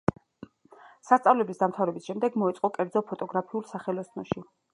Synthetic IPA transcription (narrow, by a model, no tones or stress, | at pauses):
sast̪sʼavlɛbisd̪amt̪ʰavɾɛbisʃɛmd̪ɛɡmɔɛt̪sʼqʼɔkʼɛɾd̪zɔpʰɔt̪ʼɔɡɾapʰiulˠsaχɛlɔsʰnɔʃi